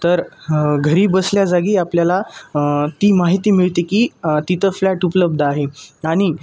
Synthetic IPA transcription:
t̪əɾɡʱəɾiːbəsljad͡zaɡiːapljala | t̪iːmaɦit̪iːmiɭt̪ekiːt̪it̪ʰəflæʈupləb̚d̪aɦeaɽ̃i

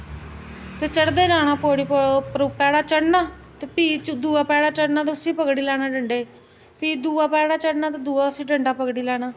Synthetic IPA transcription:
t̪eːt͡ʃəɽd̪eːlaːɽaːpoːɽiːpɾpɛːɽaːt͡ʃəɽnaː | t̪eːpiːd̪uːaːpɛːɽaːt͡ʃəɽnaːt̪eʊsiːpəɡɽiːlɛːɽaːɖəɳɖeː | piːd̪uːaːpɛːɽaːt͡ʃəɽnaːt̪eːd̪uːaːʊsiːɖəɳɖaːpəɡɽiːlɛːɽaː

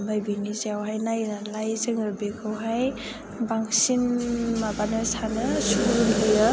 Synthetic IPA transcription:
bʱajbiniziawɦajnajnalajzɯŋɯɾbekʰɯwɦaj | baŋsinmabanɯsanɯsuunlɯja

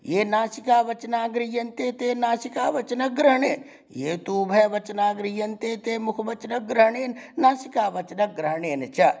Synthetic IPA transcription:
jeːnaːsikaːʋɐt͡ʃnaːɡɾijɐnt̪eːt̪eːnaːsikaːʋɐt͡ʃnɐk̚ɡɾəɦɳeːn | jeːt̪uːbʱɐːʋɐt͡ʃnaːɡɾijɐnt̪eːt̪eːmʊkʰʋɐt͡ʃnɐk̚ɡɾɐɦɳeːnːaːsikaːʋɐt͡ʃnɐk̚ɡɾɐɦɳeːnt͡ʃʰɐ

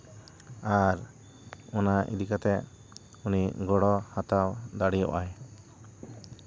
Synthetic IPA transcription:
aɾ | ɔnaʔḭd̪ikat̪ɛʔ | uniʔɡɔɽɔhat̪awd̪aɽijɔʔaj

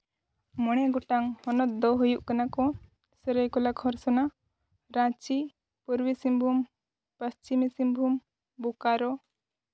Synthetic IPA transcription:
mɔɽ̃ɛɡɔʈaŋhɔnɔt̪̚d̪ɔɦujuʔkanakɔ | səɾəjkɔlakʰɔɾsɔna | ɾãt͡ʃi | puɾwisimbʱum | pəst͡ʃimisimbʱum | bukaɾɔ

